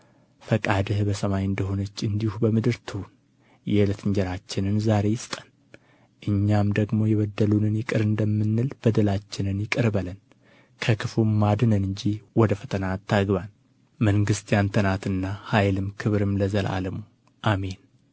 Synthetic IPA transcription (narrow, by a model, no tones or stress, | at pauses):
fəkʼad̪ɨhbəsəmajɨnd̪əɦo̞nət͡ʃːɨnd̪ihubəmɨd̪ɨɾt̪ʰɨhun | jɛlɨt̪ʰɨɲd͡ʒɛɾat͡ʃːɪnɨnzaɾe̞jɪst̪ʼə̥n | ʔɨɲːamd̪əɡmo̞jɛβəd̪ːəlunɨnjɪkʼɨɾɨnd̪əmːɨnːɨlb̥əd̪əlat͡ʃːɪnɨnjɪkʼɨɾbələn | kʰəkʰɨfumːad̪ɨnənɨɲd͡ʒiwɔd̪əfət̪ʰənat̪ʰːaɡβan | məŋɡɨst̪ʰʼjant̪ʰənat̪ɨnːahajlɨmkʰɨβɾɨmləzəlʔa̰ləmu | ʔame̞n